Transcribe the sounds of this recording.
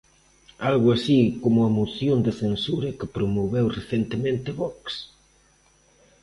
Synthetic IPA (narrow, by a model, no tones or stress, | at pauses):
alɣʊasikomʊɐmoθjond̪ɪθensuɾɐkɪpɾomoβewreθent̪emẽnt̪ɪβɔks